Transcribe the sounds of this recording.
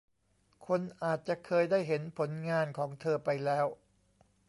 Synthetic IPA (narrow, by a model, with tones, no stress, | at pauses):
kʰo˧nʔaː˨˩t̪̚t͡ɕa˨˩ʔkʰɤː˧jdaː˥˩jɦe˩˦npʰo˩˦nŋaː˧nkʰɔː˩˦ŋt̪ʰɤː˧pa˧jlɛː˦˥w